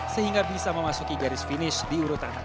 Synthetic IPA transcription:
səɦiŋɡabisaməmasukiɡaɾɪsfinɪʃdiuɾut̪ana

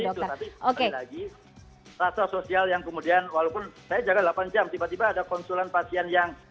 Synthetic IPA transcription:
iɔt̪ut̪apiokelaɡi | rat̪ɔsosialjaŋkəmudianwalawpʊnsajad͡ʒaɡadlapand͡ʒamt̪ibat̪ibaːdakɔnsulanpasianjaŋ

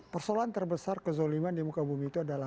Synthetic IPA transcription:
pərsolaant̪ərbəsarkəzolimandimukabumiːt̪uadala

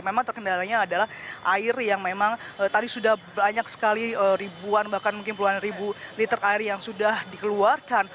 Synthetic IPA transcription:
memaŋt̪ərkəndalaɲaːdalahʔaɪrjaŋmemaŋət̪adisudahbaɲaksə̥kaliəɾibuanbahkanmuŋk̬ɪnpuluanribulit̪əraɪrjaŋsudahdikəluarkan

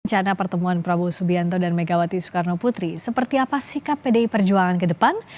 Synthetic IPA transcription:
ɲt͡ʃanapərt̪əmuanpɾabusubiant̪odanmeɡawat̪isu̥karnoput̪ɾisəpərt̪iapasikapːedeipərd͡ʒuaŋankədəpan

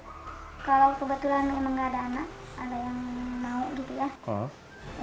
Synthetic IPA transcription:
kalawkəbət̪ulanaməŋɡaːdaːnak | adajaŋmauɡit̪ujakɔ̰

